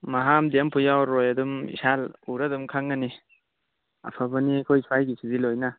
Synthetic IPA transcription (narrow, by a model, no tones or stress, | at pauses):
maɦamdiampʰujawɾojadumḭsaluɾadumkʰaŋːɐni | a̰pʰabɐniakʰojsʰwajɡisidilojna